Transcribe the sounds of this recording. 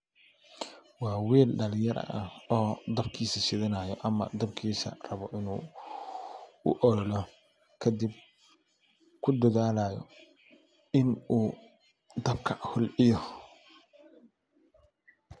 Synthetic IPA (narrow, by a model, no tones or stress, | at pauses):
wɑːwiːlɖɐlɪjɐɾɐ̰ʔɐɔːd̪ɐbkʰiːsɐsɪðɐnaːjɔʔɐmɐ̰d̪ɐb̚kʰiːsɐ̰rɐβɔʔɪnuː | ʊʔɔɾɔlɔ | kʰɐd̪ib | kʰʊd̪ɐðaːlaːjɔ̰ | ɪnuː | d̪ɐbkʰɐhʊlɪjɔ